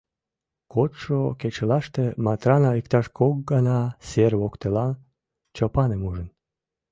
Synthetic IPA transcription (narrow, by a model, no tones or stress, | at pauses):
kot̪ʃoket͡ɕelɑʃt̪emɑt̪ɾɑnɑikt̪ɑʃkok̚ɡɑnɑserβokt̪elɑn | t͡ɕopɑnemuʒən